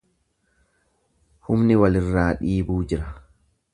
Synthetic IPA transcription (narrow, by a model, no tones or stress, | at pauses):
hʊmnɪwɐlɪrːaːᶑiːbuːd͡ʒɪɾɐ